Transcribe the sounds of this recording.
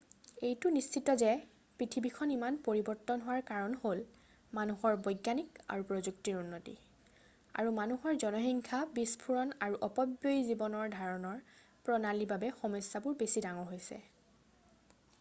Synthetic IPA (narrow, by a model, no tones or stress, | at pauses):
ejtʊnist͡ʃitɔzɛ | pɹitʰibikʰɔnimanpoɹibɔɹtɔnɦʊwaɹkaɹɔnhol | manuxɔɹbɔjɡːanika̰ɹupɹɔzuktiɹunːotḭ | a̰ɹumanuhɔɹzɔnɔɦiŋkʰabispʰuɹɔnaɹuʔɔpɔbjojzibɔnɔɹdʱaɹɔnɔɹ | pɹɔnalibabɛxɔmɔjsːabʊɹbesidaŋɔɦojsɛ̰